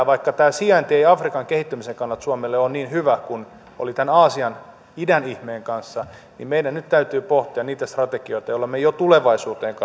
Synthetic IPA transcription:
ʋɑikːɑt̪æːsiɑnt̪ieiɑfrikɑŋkehit̪ːymiseŋkɑnːɑt̪suɑmelːeonniːnhyʋækun | o̰lit̪ænɑːsiɑn | idænihmeːŋkɑnsːɑ | nḭmmeidænnyt̪t̪æyt̪yːpoht̪iɑnniːt̪æst̪rɑt̪ekioit̪ɑjolːɑmejot̪uleʋɑisuːt̪eːŋkɑ

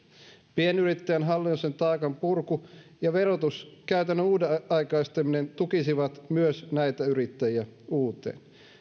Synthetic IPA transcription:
pienyɾit̪ːæjænɦɑlːinːusent̪ɑːkɑmpurkujɑʋe̞ɾot̪uskæyt̪ænːønuːdeɑjkɑist̪emine̞nt̪ukisiʋɑt̪myøsnæjt̪æyɾit̪ːæjiæuːt̪ˑe̞̰ːn

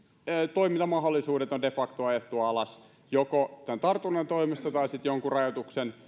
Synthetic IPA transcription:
t̪oimint̪ɑmɑɦolːˑisuːdet̪ondefɑkt̪oɑjet̪ːuɑlɑs | jokot̪ænt̪ɑrt̪unent̪oimist̪ɑt̪ɑisit̪joŋkurɑjot̪uksen

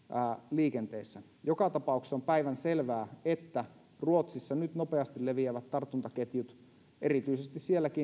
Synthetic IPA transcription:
liːkent̪eːsːæ | jokɑt̪ɑpɑˑukse̥ompæiʋænselʋæːet̪ːæ | ruot̪sisːɑnyt̪nopeɑst̪illeʋiæʋæt̪tːɑrt̪ːˑunt̪ɑket̪jut̪ | eɾit̪yisest̪issielːæki

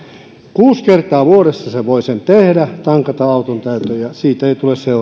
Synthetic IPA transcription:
kuːskert̪ˑɑːʋuoɾesːɑseʋoisent̪ehdæt̪ɑŋkɑt̪ɑɑut̪ont̪æyt̪øjɑsiːt̪eit̪ulesseu

